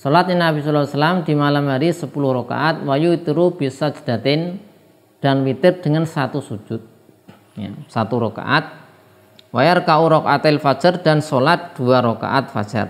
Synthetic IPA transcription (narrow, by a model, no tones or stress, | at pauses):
solat̪̚inabisalawasalamd̪̥i̤malamhaɾisəpulʊhɾoka̰ʔat̪̚wajuit̪uɾub̥isad͡ʒə̤̥d̪̥a̤t̪ɪn | d̥a̤nwit̪ɪp̚d̪̥əŋansat̪usu̥d͡ʒ̥ʊt̪̚ | ja̰sat̪uɾoka̰ʔat̪̚ | wajarkauɾɔkat̪ɛlfḁd͡ʒ̥ərd̥a̤nsolat̪̚d̪̥uaɾoka̰ʔat̪̚fa̰̥d͡ʒə̰r